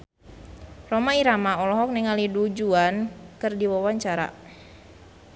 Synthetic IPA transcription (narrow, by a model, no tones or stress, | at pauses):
romaiɾamaɔlɔɦɔk̚nɛŋalidud͡ʒuankɨrdiwawaɲt͡ʃaɾa̰